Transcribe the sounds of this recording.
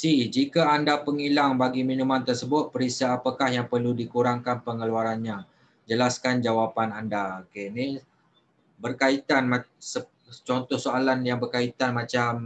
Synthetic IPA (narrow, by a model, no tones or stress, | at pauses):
sihd͡ʒikaandapəŋilaŋbaɡimĩnũmãnt̪ərsəbʊt̪̚pəɾisaːpakahjaŋpərludikuɾaŋkanpəŋəluaɾanɲã | d͡ʒəlaskand͡ʒawapanandakeni | bərkait̪anmasə | t͡ʃɔnt̪ɔhsoalanjaŋbərkait̪anmãt͡ʃam